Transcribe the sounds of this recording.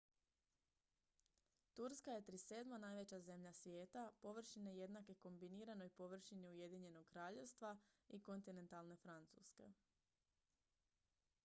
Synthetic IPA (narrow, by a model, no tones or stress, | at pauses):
t̪uɾskaje̞t̪ɾise̞ːd̪manaːjʋe̞t͡ɕaze̞mʎasʋjeːt̪apo̞ʋr̩ʃineje̞d̪nake̞ko̞mbiniːɾano̞jpo̞ʋr̩ʃiniuje̞d̪iɲe̞no̞ɡkɾaːʎe̞ʋst̪ʋaiko̞nt̪ine̞nt̪alˠne̞fɾant̪suske̞̰